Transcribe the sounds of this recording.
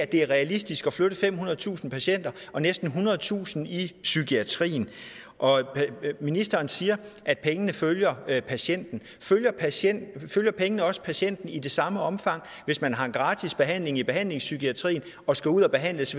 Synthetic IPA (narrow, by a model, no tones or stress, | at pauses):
æd̥e̝æɐʁɛælisd̥isɡ̥ɒ̽fløɾ̥əfem̰ɦunɐð̞̩ˠt͡sʰṵːsn̩pʰæɕen̰d̥ɐʔɒ̽nesd̥n̩ɦunɐð̞ˠt͡sʰṵːsn̩isykʰiæt͡sʰʁḭːn̩ | ʔɒ̽minisd̥ɐːnsiːɐʔæd̥̚pʰeŋənəføljɐpʰæɕen̰d̥n̩ | føljɐpʰenføljɐpʰeŋənəɒ̽sə̥pʰæɕen̰d̥n̩id̥e̝sɑ̈məɒ̽mfɑ̈ŋ̰ | ʋe̝smænɦɑ̈e̝nɡ̥ʁɑ̰̈ːt͡sʰisb̥e̝ɦæn̰le̝ŋib̥e̝ɦæn̰le̝ŋsykʰiæt͡sʰʁḭːn | ɒ̽sɡ̥æuð̞̰ˠɒb̥e̝ɦæn̰ləs